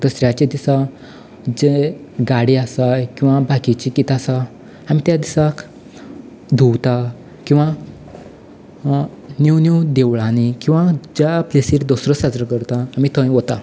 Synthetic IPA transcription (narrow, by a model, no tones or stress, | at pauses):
t̪əsɾjat͡ɕed̪isa | d͡zeɡaɽiasakĩw̃ʋabʱakit͡ɕikit̪asa | amit̪jad̪isak | d̪ʱuwt̪a | kĩw̃ʋa | niwniwd̪eʋɭanikĩw̃ʋad͡ʑaplesiːɾd̪ɔsɾəsad͡zɾəkəɾt̪aːmit̪ʰə̃jʋɔt̪a